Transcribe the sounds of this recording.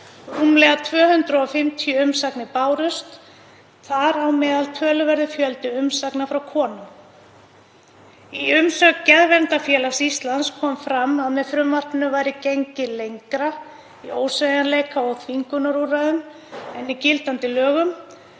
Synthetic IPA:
ruːmlɛɣat̪ʰvœːhʏnt̪ɾʏɔfɪm̥t̪ʰjœʏmsaknɪpaːwɾʏst̪ | θaɾawmɛːðalt̪ʰœːlʏvɛɾðʏfjœlt̪ʏʏmsaknafɾawkʰɔːnʏm | iʏmsœkcɛðvɛnt̪afjɛːlasist̪lanskʰɔːmfɾamːaðmɛðfɾʏmvar̥t̪nʏvaːjɾɪceɲcɪlejŋkɾa | ioːwsvejanleːjkʰaɔθʰviŋkʏnaɾuɾaðʏm | ɛnːicɪlt̪ant̪ɪlœːɣʏm

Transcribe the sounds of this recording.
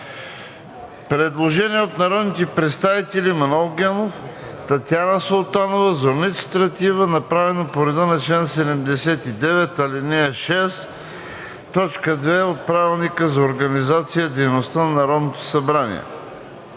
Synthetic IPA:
pɾɛd̪lˠoʒɛniɛot̪nɐɾɔd̪nit̪ɛpɾɛt̪st̪avit̪ɛlimɐnɔlˠɡʲɛnoft̪ɐt̪ʲjanəsolˠt̪anovəzoɾnit̪st̪ɾɐt̪ivənɐpɾavɛnopoɾɛd̪ənɐt͡ʃlɛnsɛd̪ɛmd̪ɛsɛt̪id̪ɛvɛt̪ɐlinɛʃɛs | t̪ɔt͡ʃkəd̪vɛot̪̚pɾavilˠnikəzɐoɾɡɐnizat̪sijəd̪ɛjnost̪anɐnɐɾɔd̪not̪o̥sɐbɾanḭɛ̰

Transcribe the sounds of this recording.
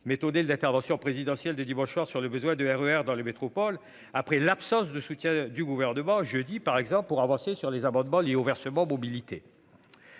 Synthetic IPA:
met̪ɔnelɛ̃t̪ɛʁvɑ̃sjɔ̃pχezid̪ɑ̃sjɛld̪əd̪imɑ̃ʃswaʁsyʁləbəzwɛ̃d̪əɛʁøɛʁd̪ɑ̃ləmet̪χɔpɔl | apχɛlapsɑ̃sd̪əsut̪jɛ̃d̪yɡuvɛʁnəmɑ̃ʒød̪ipaʁɛɡzɑ̃ppuʁavɑ̃sesyʁlezamɑ̃d̪mɑ̃ljeovɛʁsəmɑ̃mɔbilit̪ḛ

